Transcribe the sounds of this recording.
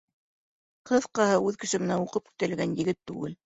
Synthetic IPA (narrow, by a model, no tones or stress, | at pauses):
qɤðqɑhɤʉðkɘ̆ʃɘ̆mɘ̆næuqɤp̚kɵ̥̆t̪ælɡænjɘ̆ɡɘt̪ːʉ̰ɡɘl